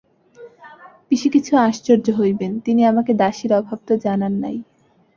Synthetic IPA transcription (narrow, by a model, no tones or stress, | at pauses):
biʃikit͡ɕʰuãʃt͡ɕoɾd͡ʑoɦojbent̪iniamaked̪aʃiɾɔbʱab̚t̪od͡ʑananːa̰j